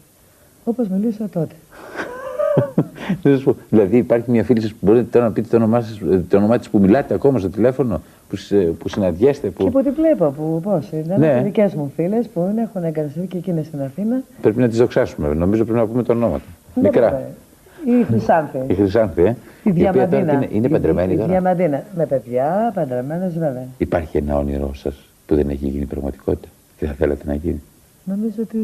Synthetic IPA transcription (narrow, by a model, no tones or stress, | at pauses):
opozmilisot̪ot̪e̥ | nesɐspoðilɐðiːpɐɾçimɲɐfilisɐspubo̞ɾit̪onɐpit̪et̪onomɐst̪onomɐt̪ispumilɐt̪eɐko̞mɐst̪o̞t̪ile̞fo̞no̞ | puspusinɐnd̪ʝe̞st̪e̞puipot̪ivlepopuposit̪ɐneðice̞zmufile̞spunexuneɡɐt̪ɐst̪iθicecinest̪inɐθinɐpɾe̞pinɐt̪izðo̞ksɐsumeno̞mizopɾepinɐpumet̪onomɐ̰t̪onmikɾɐ | ixɾisɐnθiixɾisɐnθieiðɐmpiɐd̪inneʔinepɐnd̪ɾemeniit̪oðʝɐmɐnd̪inɐme̞pe̞ðʝɐpɐnd̪ɾeme̞nezve̞veɐipɐɾçienɐ̰onḭɾo̞sɐs | puðeneçiʝinipɾɐ̰ɣmɐ̰t̪i̥kʰo̞̰t̪i̥t̪ɐ̥ | ceθɐθelet̪enɐ̰ʝini | no̞mizoot̪i